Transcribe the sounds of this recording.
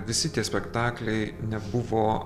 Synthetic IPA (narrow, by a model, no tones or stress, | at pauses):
ʋʲɪsʲɪt̪ʲiɛsʲpʲɛkt̪ɑːklʲɛɪnʲɛbʊʋoː